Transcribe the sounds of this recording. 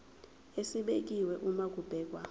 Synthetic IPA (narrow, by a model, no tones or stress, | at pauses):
esiɓek̬iwɛʔumak̬ʼub̥ʱɛːk̬wa